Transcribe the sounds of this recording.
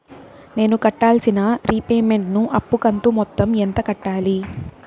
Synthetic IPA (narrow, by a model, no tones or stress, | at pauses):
ne̞ːnukɐʈːaːlsinɐɾipeːme̞ɳʈnuʔɐpːukɐnt̪umɔt̪ːɐment̪ɐkɐʈːaːli